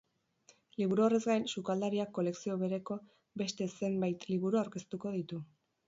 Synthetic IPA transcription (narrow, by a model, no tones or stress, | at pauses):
liβuɾuo̞re̞zɡajnsukald̪aɾiakːo̞le̞ksio̞βe̞ɾe̞ko̞ | be̞st̪e̞se̞mbajt̪liβuɾuawɾke̞st̪uko̞ð̞it̪u